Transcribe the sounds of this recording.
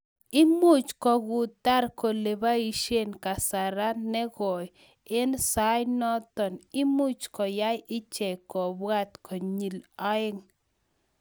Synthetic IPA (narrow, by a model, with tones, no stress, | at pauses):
ɪ˦mu˦t͡ʃkɔ˨ɡʊ˨t̪a˦ɾko˨le˨ba˦i˨ʃe˦nka˨sa˨ɾa˦nɛ˦ɣɔ˨j | ɪ˦nsa˨˦jnɔ˦t̪ɔ˨nɪ˦mu˦t͡ʃkɔ˨ja˦jɪ˦t͡ʃɛ˨kɔ˨bwa˦t̪kʰɔ˨ɲi˨lɔ˦ɪ˦ŋ